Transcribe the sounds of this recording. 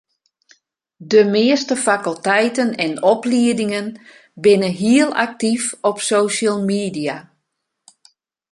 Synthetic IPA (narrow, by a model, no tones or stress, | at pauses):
dəmɪəstəfakəlˠtɛjtənɛnɔpliədɪŋən | bɪnəɦiəlˠa̰k̚tifɔpsoːʃəlˠmiːdija